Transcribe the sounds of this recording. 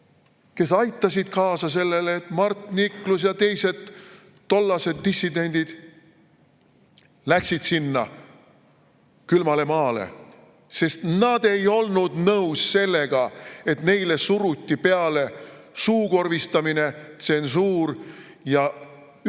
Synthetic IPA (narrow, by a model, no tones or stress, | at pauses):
ke̞sɑjt̪ˑːɑsid̪̥kɑːsɑse̞lːe̞leːt̪mɑrt̪ˑniklusjɑt̪e̞jse̞d̪̥ː | o̞lːɑse̞d̪ːisːid̪e̞nʲd̪̥id̪̥ | læksid̪̥sinːɑ | kylmɑle̞mɑːle̞̰ | se̞st̪nɑd̪̥e̞jo̞lnud̪nɤwsse̞lːe̞ɡ̥ɑe̞t̪ne̞jle̞suɾut̪ʲːipe̞ɑlesuːko̞rvist̪ɑmine̞t̪se̞nsuːr | jɑ